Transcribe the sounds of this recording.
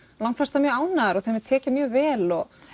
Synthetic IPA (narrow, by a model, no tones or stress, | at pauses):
lawŋflast̪amjœːɣaːwnaðaɾɔɣθemɪðt̪ʰɛːcɪmjœːɣvɛːlɔɣ